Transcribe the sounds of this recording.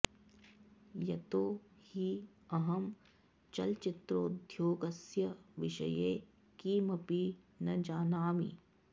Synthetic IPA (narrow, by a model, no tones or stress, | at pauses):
jɐt̪oːhi | ɐɦɐm | t͡ʃɐlt͡ʃɪt̪ɾoːd̪ʱjoːɡɐsjɐʋɪʃɐ̰jeː | kiːmɐpi | nɐd͡ʒaːnaːmḭ